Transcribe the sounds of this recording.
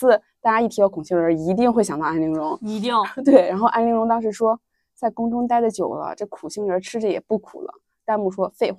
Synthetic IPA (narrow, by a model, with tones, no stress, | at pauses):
ɹ̩˥˩t̪a˥˧˩t͡ɕja˥i˥˩i˧˥jɑ˥˧ʊkʰʊ˨˩ŋɕi˥˩ŋə˞˧˥i˧˥t̪̬i˥˧ŋxwe˥˩ɪɕjɑ˨˩ŋt̪ɑ˥˧ʊa˥nli˧˥ŋɻʊ˧˥ŋ˧˥˧t̪̬we˥˩ɪɻa˧˥nxo˥˧ʊʔa̰˥nli˧˥ŋɻʊ˧˥ŋt̪̬ɑ˥ŋʂ̬ɻ̩˧˥ʂwɔ˥ | t͡sa˥˩ɪkʊ˥ŋʈ͡ʂʊ˥ŋt̪a˥˧ɪd̪ə˨t͡ɕjo˨˩ʊlə̰˦ʈ͡ʂɤ˥˩kʰu˨˩ɕi˥˩ŋə˞˧˥ʈ͡ʂʰɻ̩˥ʈ͡ʂə˩jɛ̰˨˩pu˥˩kʰṵ˨˩lə̰˦ | t̪a˥˧nmu˥˩ʂwɔ˥fe˥˧ɪ